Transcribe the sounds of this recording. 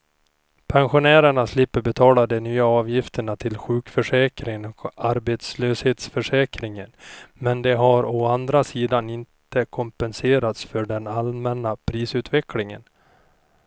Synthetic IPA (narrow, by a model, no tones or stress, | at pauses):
pʰɛnɧʊnæːɾəɳaslɪpːəɾbɛt̪ʰɑːlad̪ɛnyːaɑːvjɪft̪ʰəɳat̪ʰɪlɧʉ̟ːkfœʂɛːkɾɪŋɔkaɾbeːt̪sløːsheːt̪sfœʂɛːkɾɪŋənmɛnd̪ɛɦaɾɔand̪ɾasiːd̪anɪnt̪əkʰɔmpɛnseːɾat̪sfœɖɛnalmɛnːapʰɾiːsʉ̟ːt̪vɛklɪŋə̰n